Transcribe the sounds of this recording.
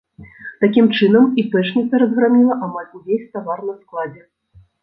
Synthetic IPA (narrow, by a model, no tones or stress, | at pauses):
t̪akʲimt͡ʂɨn̪ɐmipɛt͡ʂnʲit̪sɐɾɐzɣɾamʲilˠɐʔamalʲujʲejʲt̪avarnɐsklˠad͡zʲɛ